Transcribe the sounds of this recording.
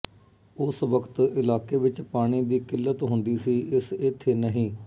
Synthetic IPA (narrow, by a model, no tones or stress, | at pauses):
ʊsʋəkʰt̪ɪlaːkeːʋɪt͡ʃpaːɽ̃iːd̪iːkɪlːət̪ɦʊnd̪iːsiːʔɪsɪt̪ʰːeːnəɦĩː